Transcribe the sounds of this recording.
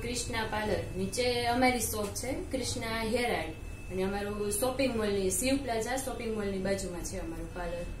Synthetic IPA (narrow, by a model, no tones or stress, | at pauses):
kɾɪʃnapaləɾnit͡ʃeəmaɾisɔk̚t͡ʃʰekɾɪʃnaɦeɾaɽi | əneəmaɾusɔpiŋɡmolnisiʋpləd͡ʒasɔpiŋɡmolnibad͡ʒumãt͡ʃʰeəmaɾupaləɾ